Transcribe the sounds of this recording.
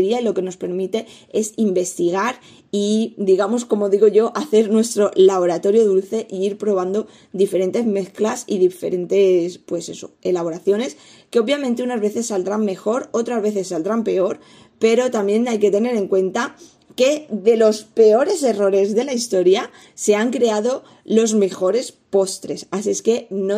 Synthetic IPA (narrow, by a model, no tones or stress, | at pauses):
ðiailo̞ke̞no̞spe̞ɾmit̪e̞ | e̞simbe̞st̪iɣ̞aɾ | id̪iɣamosko̞mo̞ðiɣo̞ʝo̞ʔaθe̞ɾnwe̞st̪ɾo̞laβo̞ɾat̪o̞ɾjo̞ðulθe̞ʔiiɾpɾo̞β̞and̪o̞ | d̪ife̞ɾe̞nt̪e̞zme̞θklasḭðife̞̰ɾe̞nt̪e̞spwe̞se̞so̞̰e̞laβ̞o̞ɾaθjo̞ne̞s | ke̞oβjamẽnt̪eunazβe̞θe̞sːald̪ɾammːe̞xo̞ɾo̞t̪ɾazβe̞θe̞sːald̪ɾampe̞o̞ɾ | pe̞ɾo̞t̪amje̞najke̞t̪e̞ne̞ɾe̞ŋkwe̞nt̪a | ke̞ðe̞lo̞spe̞o̞ɾe̞se̞ro̞ɾe̞zðe̞laist̪oɾja | se̞aŋkɾe̞aðo̞ | lo̞zme̞xo̞ɾe̞spo̞st̪ɾe̞sasieske̞no